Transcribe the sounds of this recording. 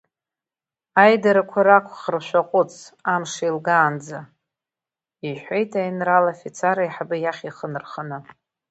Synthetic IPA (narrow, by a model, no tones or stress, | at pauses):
ajdaɾakʷʰaɾakʷʰχərʃʷaqʷʼʊt͡sʼʰamʂailɡaːnd͡za | iħʷejtʰajnralafit͡sʰaɾajħabɨjaχʲiχənɨrχanɨ